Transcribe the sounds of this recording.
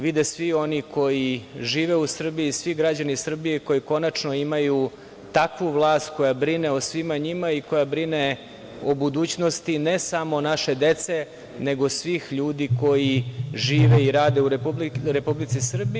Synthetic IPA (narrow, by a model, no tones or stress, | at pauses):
ʋid̪esʋio̞nikʰo̞jiʒiːʋeusr̩biːsʋiɡɾad͡ʑanisr̩bijeko̞jiko̞nat͡ʂnoimaju | t̪akʋuʋlˠaːst̪ko̞jabɾineosʋimaɲimaiko̞jabɾine | obud̪uːt͡ɕnost̪inesamo̞naʃe̞d̪e̞t̪se | ne̞ɡo̞sʋixʎuːd̪iko̞jiʒiːʋeiɾaːd̪euɾubliɾepublit̪sisr̩bi